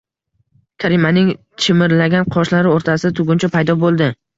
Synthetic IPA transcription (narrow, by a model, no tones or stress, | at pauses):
kʲʰaɾimanɪŋ | t͡ʃʰɪmɪɾlaɡʲanqʰɒʃlaɾɪoɾt̪ʰasɪat̪ʰʊɡʲʊnt͡ʃʰapʰajd̪ɒbolˠd̪ɪ